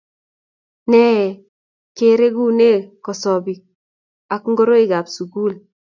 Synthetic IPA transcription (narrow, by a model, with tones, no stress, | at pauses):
nɛ˦˨ | ke˨ɾe˦ɡu˦ne˦kɔ˨sɔ˨bi˨ | a˨kŋɡo˦ɾo˦ɪ˨ɡa˨psu˨ɡu˦˨l